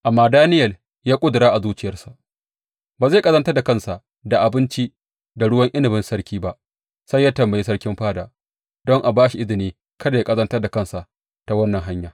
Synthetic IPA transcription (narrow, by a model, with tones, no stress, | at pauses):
ʔa˨mːaː˦daː˦nɪ˦jɐ˨l | jaː˦kʷʼʊ˦dɾaː˦ʔa˨zuː˦t͡ʃɪ˦jɐ˨rsḁ˨ʔ | baː˨za˦˨kʼɐ˦zɐ˦ntɐ˦rda˨kɐ˦nsa˨ʔ | da˨ʔa˨bɪ˦nt͡ʃi˦ | da˨ɽʊ˦wɐ˦ŋʔɪ˦nɪ˨bɪ˦nsɐ˦rkʲiː˦ba˦ʔ | sa˦jːaː˦tɐ˨mbɐ˨ji˦sɐ˦ɽkʲɪ˦mɸaː˦da̰ː˨ | dɔ˦ŋʔa˨baː˦ʃi˨ʔɪ˦zɪ˨niː˦ | kɐ˦da˨ja˦kʼɐ˦zɐ˦ntɐ˦rda˨kɐ˦nsa˨ʔ | ta˨wɐ˦nːɐ˨ŋɦa˦ɲjaː˨